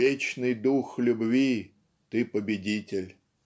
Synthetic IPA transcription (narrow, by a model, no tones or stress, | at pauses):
et͡ɕnɨjd̪uxlʲʊbvʲi | t̪ɨpəbʲɪdʲitʲɪlʲ